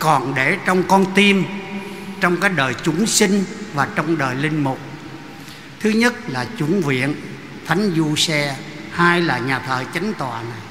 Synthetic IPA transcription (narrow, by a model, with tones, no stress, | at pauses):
kɔ˨˩nɗe˧˩t͡ɕɔ˧wŋ͡mkɔ˧nt̪i˧m | t͡ɕɔ˧wŋ͡mkaː˨˦˥k̚ɗəː˨˩jt͡ɕʊ˧˦ŋsï˧ŋ̟vaː˨˩t͡ɕɔ˧wŋ͡mɗəː˨˩jlï˧ŋ̟mʊ˨˩k͡p̚ | t̪ʰɨ˨˦ɲə˦˥t̚laː˨˩t͡ɕʊ˧˦nvḭ˧˨ən | t̪ʰa˨˦jŋ̟zu˧sɛ˧ | haː˧jlaː˨˩ɲaː˨˩t̪ʰəː˧˨˩t͡ɕa˨˦jŋ̟t̪wa̰ː˨˩na˨˩j